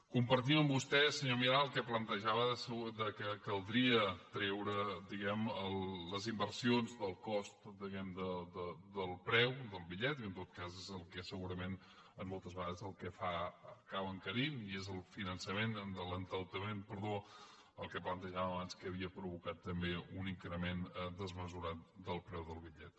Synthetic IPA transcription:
kumpəɾt̪̬iməmbust̪ɛsəɲomiɾaəlˠkɛplənt̪əʒaβəðəsəd̪əkəkəlˠd̪ɾiət̪ɾɛwɾəd̪iɣɛməlˠːəzimbəɾsionzd̪əlˠkɔst̪d̪iɣɛmd̪əd̪əd̪əlˠpɾɛwd̪əlˠβiʎɛt̪kənt̪ot̪̚kazezəlˠkɛsəɣuɾəmen | əmːɔlˠt̪əzβəɣaðəzəlˠkəfakaβəŋkəɾimiezəlˠfinənsəmend̪ələnt̪əlˠt̪əmenpəɾðo | əlˠkəplənt̪əʒaβəβanskəːβiəpɾuβukat̪ːəmbeuniŋkɾəmend̪əzməzuɾat̪̚d̪əlˠpɾɛwðəlˠβiʎɛt̪

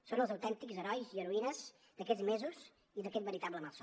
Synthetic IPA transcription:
sonəlˠzəwt̪ɛnt̪ikzəɾɔjziəɾuinəz | d̪əkɛzmezuz | iðəkɛt̪bəɾit̪abləmalˠso

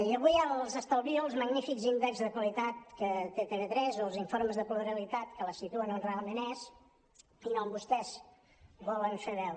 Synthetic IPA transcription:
iəβujalˠzəst̪əlˠβilˠzməɡnifikzind̪ekzðəkwəlit̪at̪̚kət̪et̪eβet̪ɾɛzolˠziɱfoɾməzðəpluəɾəlit̪at̪kələsit̪uənəlrealˠmẽnɛz | inɔmbust̪ɛz | bɔlənfeβɛw

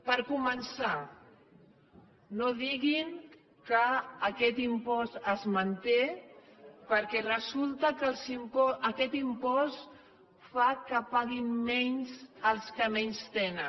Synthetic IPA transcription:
pəɾkumənsa | noðiɣiŋ | kəːkɛt̪impɔst̪əzmənt̪e | pəɾkɛrəzulˠt̪əkəlˠzimpɔəkɛt̪impɔs | fakəpaɣimmɛɲzsəlˠskəmɛɲst̪enə

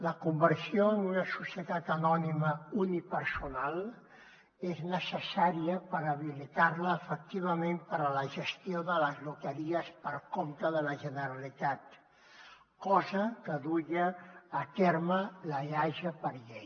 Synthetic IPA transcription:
ləkumbəɾsijoənunəsusiət̪at̪ənɔniməunipəɾsunalˠ | eznəsəsaɾiəpəɾəβilit̪aɾləːfək̚t̪iβ̞əmempəɾələʒəst̪ioðələzlut̪əɾiəspəɾkomt̪əðələʒənəɾəlit̪at̪ | kɔzəkəðuʎəːt̪eɾmələʎaʒəpəɾʎej

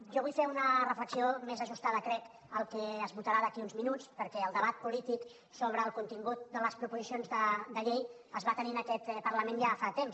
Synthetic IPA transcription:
ʒɔβuʎfeunərəfləksiomezəʒust̪aðəkɾɛk | əlˠkɛəzβut̪əɾaðəkiunzminut͡spəɾkɛəlˠd̪əβat̪̚pulit̪ik | soβ̞ɾəːlˠkunt̪iŋɡut̪̚d̪ələspɾupuzisionzðəd̪əʎej | əzβat̪əninəkɛt̪pəɾləmenjafat̪ems

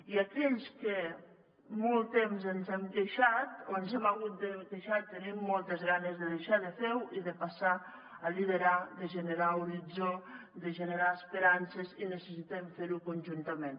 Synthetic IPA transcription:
iakɛʎske | molˠt̪emzənzɛmd̪eʃat̪oənzɛmaɣut̪̚d̪ed̪eʃat̪ːənimːɔlˠt̪əzɣanəzðəðeʃaðəfewuiðəpasa | alið̞eɾad̪əʒeneɾauɾid͡zod̪əʒeneɾaəspeɾansezinəsəsit̪ɛmfeɾukunʲʒunt̪əmẽn

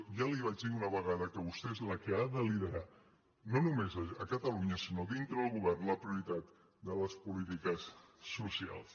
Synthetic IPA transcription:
ʒaliβ̞ad͡ʒd̪iunəβəɣaðəkəβust̪eezləkəaðəliðəɾa | nonumezəəkət̪əluɲəsinoðint̪ɾəðəlˠɣuβɛrnləpɾiuɾit̪at̪ | d̪ələspulit̪ikəsːusia̰lˠs

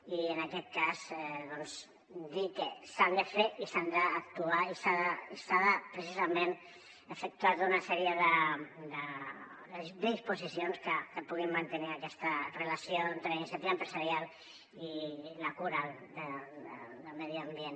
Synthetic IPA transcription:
iənakɛt̪̚kazɛðɔnz | d̪ikəsand̪əfeisand̪əːk̚t̪uaisaðəisaðəpɾəsizɐmẽn | əfək̚t̪uat̪unɐsɛɾiəðəd̪ə | d̪əd̪ispuzisionskəkəpuɣimːant̪əniakɛst̪ərəlasijoent̪ɾəinsəp̪iəmpɾəzaɾial | iləkuɾad̪əə̰d̪əlmɛðiambien

